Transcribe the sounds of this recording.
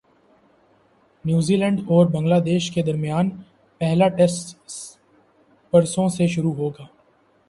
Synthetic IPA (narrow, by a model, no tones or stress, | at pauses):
njuːziːlɛ̃ɳɖɔːɾbɐ̃ŋɡlaːd̪eːʃked̪ɐɾmijaːn | pɛɦlaʈɛsʈ | pɐɾsõseʃʊɾuɦoːɡaː